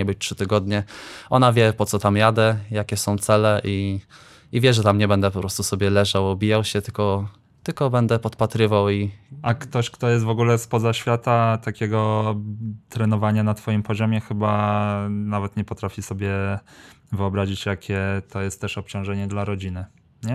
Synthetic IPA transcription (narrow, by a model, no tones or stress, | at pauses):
ɛbɘt͡ɕtʂɘt̪ɘɡɔd̪ɲɛʔɔnavʲjɛpɔt̪sɔt̪amjad̪ɛjakʲɛsɔ̃w̃t̪sɛlɛʔi | ivʲjɛʐɛt̪amɲɛbɛnd̪ɛpɔpɾɔst̪usɔbʲjɛlɛʐawɔbʲijawɕɛt̪ɘlkɔ | t̪ɘlkɔbɛnd̪ɛpɔt̪pat̪ɾɘvawiakt̪ɔɕkt̪ɔjɛst̪vɔɡulɛspɔzaɕfʲjat̪at̪akʲɛɡɔ | t̪ɾɛnɔvaɲanat̪fɔjimpɔʑɔmʲjɛxɘba | navɛt̪ɲɛpɔt̪ɾafʲisɔbʲjɛ | vɘɔbɾaʑit͡ɕjakʲʰɛt̪ɔjɛst̪ːɛʂɔp̚t͡ɕɔ̃w̃ʐɛɲɛd̪laɾɔd͡ʑinɘ | ɲɛ